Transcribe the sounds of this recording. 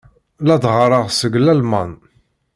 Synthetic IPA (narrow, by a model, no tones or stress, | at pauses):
læd̪ʁɾˤɑʁsəɡlælmɑn